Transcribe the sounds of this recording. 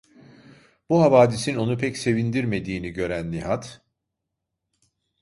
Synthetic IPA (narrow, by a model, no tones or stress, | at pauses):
b̥uɦavaːd̪isino̞nupʰɛcse̞vind̪iɾme̞d̪iːniɟø̞ɾænːiɦat̪